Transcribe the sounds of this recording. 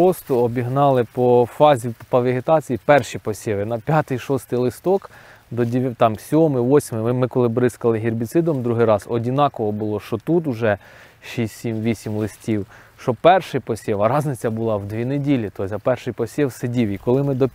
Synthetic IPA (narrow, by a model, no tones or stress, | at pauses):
ɔst̪ɔɔbʲiɦnɑlˠɪpɔfɑzʲipɐʋʲiɦet̪ɑt͡sʲijipɛrʃipɔsʲɛʋɪnɐpʲjɑt̪ɪjʃɔst̪ɪjlˠɪst̪ɔk | d̪ɔdʲt̪ɑmsʲɔmɪʋɔsʲmɪɪmɪkɔlˠɪbɾɪskɐlˠɪɦʲirbʲit̪sɪd̪ɔmd̪ɾuɦɪjɾɑzɔdʲinɑkɔɦɔbʊlˠɔʃt͡ʃɔt̪ut̪̬ʊʒɛ | ʃisʲsʲimʋʲisʲimlˠɪsʲtʲiw | ʃt͡ʃɔpɛrʃɪjpɔsʲɛʋɐɾɑznɪt͡sʲɐbʊlˠɑwd̪ʋʲinedʲilʲit̪ɔjsʲɐpɛrʃɪjpɔsʲiwsɪdʲiwikɔlˠɪmɪd̪ɔ